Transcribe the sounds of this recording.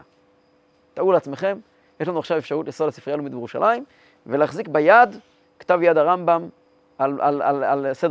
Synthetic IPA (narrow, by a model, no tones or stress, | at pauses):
t̪auleat͡sme̞χe̞m | jeʃlanuaχʃavefʃaʁut̪islasi̥fʁialumid̪jeʁuʃa̰lʔaim | veleaχzikbajad̪ | kḁt̪avjad̪haʁambam | ala̰la̰lalsed̪